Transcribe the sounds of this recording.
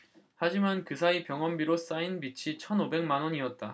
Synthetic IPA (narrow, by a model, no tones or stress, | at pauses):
had͡ʑimankɯsʰaipjʌŋʌmbiɾos͈ainbit͡ɕʰit͡ɕʰʌnobe̞ŋmanwʌɲiʌt̚t͈a